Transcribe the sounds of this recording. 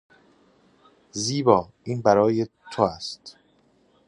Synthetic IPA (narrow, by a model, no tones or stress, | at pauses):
ziːbɒːʔiːnbæɾɒːje | t̪ʰoæst̪